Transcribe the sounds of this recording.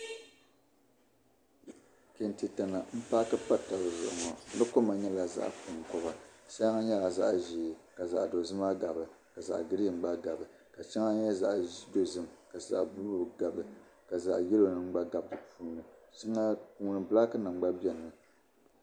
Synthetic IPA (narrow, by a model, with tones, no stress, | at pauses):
ke˨n˨ti˨ta˨na˨m̩˦pa˦kɨ˦pa˦ta˨ɾɨ˨zʊ̰˨ʔɨ˨ŋɔ˨˦nɨ˦ko˦ma˨ɲɛ˦la˨za̰˦ʔpʊ˨ŋ˨kɔ˦ba˨sa˦ŋa˦ɲɛ˦la˨za˦ʔʒi˨ka˨za̰˨ʔdo˨zɨ˦ma˦ɡa˨bɨ˨ | ka˨za̰˨ʔɡɨ˦ɾi˦˨m̩˦ɡ͡ba˦ɡa˨bɨ˨ | ka˨t͡ʃi˦ŋa˦ɲ˦ɛ˦za˨ʔi˦do˦zɨ˦mka˨za̰˨ʔbu˦o˨ɡa˨bɨ˨ka˨za̰˨ʔjɛ˦lo˨nɨ˦ŋ̩˦ɡ͡ba˦ɡa˨bdɨ˨puː˦nɨ˨t͡ʃi˦ŋa˦ku˦nɨ˨bla˦kɨ˦nɨ˨ŋ͡mɡ͡ba˦bɛ˨nɨ˨